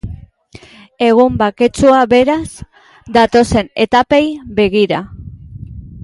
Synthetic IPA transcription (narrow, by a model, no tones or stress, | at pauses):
e̞ɣ̞umbake̞t͡suaβe̞ɾaz | d̪at̪o̞se̞ne̞t̪ape̞jbe̞ɣ̞iɾa